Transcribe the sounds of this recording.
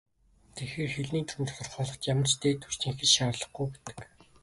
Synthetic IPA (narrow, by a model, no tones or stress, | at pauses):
t̪ʰexeːrxeɮniːnt̪ʰunt̪ʰɔ̥t̪ɞ̆rχɔːɮɞ̆χt̪jamə̆rt͡ɕt̪ʰeːt̪ʰu̥t͡ɕt̪ĭːŋxɘ̆t͡ɕʃaːrɮə̆χɡujpæt̪ɘ̥̆k